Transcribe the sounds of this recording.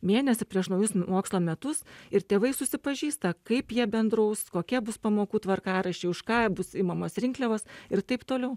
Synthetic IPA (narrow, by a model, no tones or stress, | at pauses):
mʲeːnʲɛsʲɪpʲɾʲiɛʃnɐʊjʊsmoːkslˠoːmʲɛt̪ʊsɪɾt̪ʲeːʋɐɪsʊsʲɪpɐʒʲiːst̪ɐkɐɪpjiɛbʲɛnd̪ɾɐʊskoːkʲɛbʊspɐmoːkuːt̪ʋɐrkɑːɾɐʃʲeɪʊʃkɑːbʊsiːmɐmoːsɾʲɪŋklʲɛʋoːsɪrt̪ɐɪpt̪oːlʲɛʊ